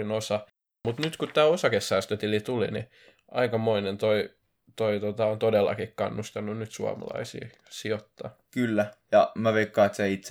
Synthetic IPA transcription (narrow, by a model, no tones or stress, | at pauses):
inosɑ | mut̪nyt̪kutt̪ːæːosɑkesːæːst̪øt̪ilit̪ulḭnḭ | ʔɑikɑmoinent̪oi | t̪oit̪ot̪ɑont̪odelːɑ̰kikkɑ̰nːust̪ɑnːunnyt̪suɑ̰mɑ̰lɑ̰isḭː | siot̪ːɑ̰ː | kylːæjɑmæʋeikːɑːt̪sæit̪s